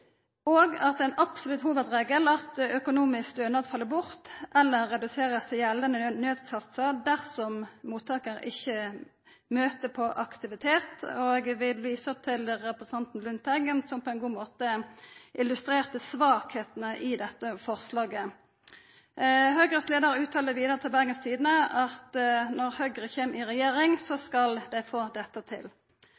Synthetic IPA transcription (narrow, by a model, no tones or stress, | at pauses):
oːɡɑt̪æɪnɑbsʊlʉt̪huːʋəd̪ʁeːɡəlɑt̪œkʊnuːmɪsk̚d̪ønɑd̪fɑlːəbʊʁt̪ɛlːəʁːɛd̪ʉseːʁəst̪ʰɪjɛlːənənøːd̪sɑt̪sɑd̪æʁsɔmmuːt̪ʰːɑːkəɾɪ̰çːə | møːt̪əpʰɔʔɑkt̪ɪʋɪt̪ʰeːt̪oɡʋɪlʋiːsət̪ʰɪlʁɛpɾəsən̩ʰɑnt̪n̩lʉnt̪æɡənsɔmpʰɔɛnɡuːmoːt̪əʔɪlʉst̪ɾeːʁt̪əsʋɑːkheːt̪nəʔɪd̪ɛt̪ːəfɔʁslɑːɡə | ɦøɡʁəsleːd̪əʁʉːt̪ʰɑːləʋiːd̪əʁət̪ʰɪlbæʁɡənst̪ʰiːd̪ənəɑt̪nɔʁhœɡʁəçeːmɪʁɛjeːʁɪŋsɔskɑld̪æɪfoːd̪ɛt̪ːət̪ʰɪ̰l